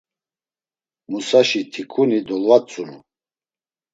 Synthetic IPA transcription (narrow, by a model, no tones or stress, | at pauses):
musaʃit̪ʰikʰunid̪ɔlvat͡sʼunu